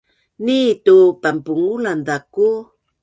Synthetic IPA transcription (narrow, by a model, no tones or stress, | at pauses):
nitupampuŋulandaku